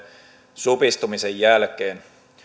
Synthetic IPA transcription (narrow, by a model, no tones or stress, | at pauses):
supist̪umisejjælkeːn